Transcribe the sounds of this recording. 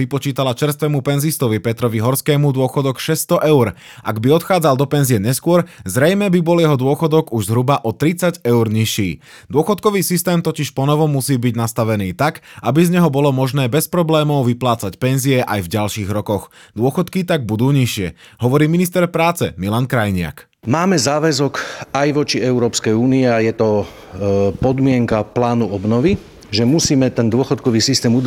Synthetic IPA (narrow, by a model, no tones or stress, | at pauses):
ipɔt͡ʃiːt̪alat͡ʃɛɾst̪ʋɛmupɛnzist̪ɔʋipɛt̪ɾɔʋiɦɔɾskɛːmud̪ʊɔxɔd̪ɔkʃɛst̪ɔʔɛʊɾ | ʔa̰ɡbiɔt̪xaːd͡zalˠd̪ɔpɛnziɛɲɛskʊɔɾzɾɛjmɛbibɔljɛɦɔd̪ʊɔxɔd̪ɔɡuʒzɦɾubaʔɔt̪ɾit͡saɟɛʊɾɲiʃiː | d̪ʊɔxɔt̪kɔʋiːsist̪ɛːmt̪ɔciʃpɔnɔʋɔmːusiːbiɟnast̪aʋɛniːt̪akʔabizɲɛɦɔbɔlɔmɔʒnɛːbɛspɾɔblɛːmɔʊʋiplaːt͡sacpɛnziɛʔajvɟalʃiːɣɾɔkɔɣd̪ʊɔxɔt̪kit̪aɡ̚bud̪uːɲiʃɪɛ | ɦɔʋɔɾiːminist̪ɛɾpɾaːt͡sɛmilankɾajɲɪa̰k | maːmɛzaːʋɛzɔkajʋɔt͡ʃiɛʊɾɔːpskɛjuːniɛajɛt̪ɔ | pɔd̪mɪɛŋkaplaːnuɔbnɔʋi | ʒɛmusiːmɛt̪ɛnd̪ʊɔxɔt̪̚kɔʋiːsist̪ɛːmud̪